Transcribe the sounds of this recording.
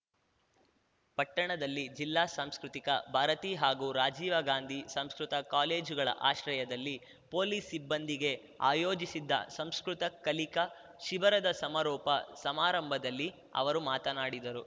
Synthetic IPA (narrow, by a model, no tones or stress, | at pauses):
pɐʈːɐɳɐd̪ɐlːid͡ʒilːaːsaːmskɾut̪ikɐbʱaːɾɐt̪iːɦaːɡuːɾaːd͡ʒiːʋɐɡaːnd̪ʱisɐmskɾut̪ɐkaːle̞ːd͡ʒuɡɐɭɐ̰ʔa̰ːʃɾɐjɐd̪ɐlːi | po̞ːliːsibːɐnd̪iɡe̞ | a̰ːjo̞ːd͡ʒisid̪ːɐ̰sɐmskɾut̪ɐkːɐlikɐ | ʃibɐɾɐd̪ɐsɐmɐɾɔːpɐsɐmaːɾɐmbʱɐd̪ɐlːi | ɐ̰ʋɐɾumaːt̪ɐnaːɽid̪ɐɾu